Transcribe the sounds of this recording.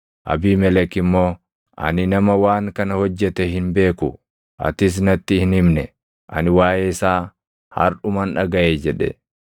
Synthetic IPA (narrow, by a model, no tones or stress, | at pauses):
ʔɐ̰biːmɛlɛkɪmːo̞ː | ʔɐ̰nɪnɐmɐwaːŋkɐnɐhɔd͡ʒːɛt̪ɛɦɪnbe̞ːkʊ | ʔɐ̰t̪ɪs̬nɐt̪ːɪhɪnhɪmnɛ | ʔɐ̰nɪwaːjɛɪsaː | hɐ̰ɾʔʊmɐnᶑɐɡɐʔeːd͡ʒɛᶑɛ̰